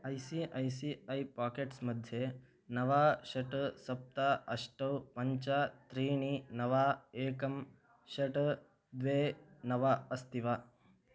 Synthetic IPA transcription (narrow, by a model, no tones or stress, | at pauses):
ajsiʔajsiajpaːkeʈsməd̪ʱːje | nɐʋaɕɐʈsɐp̚t̪aʔɐʂʈəʋpɐɲt͡ʃat̪ɾiːɳ̃inɐʋaekɐm | ɕɐʈ | d̪ʋenɐʋaəst̪iʋaː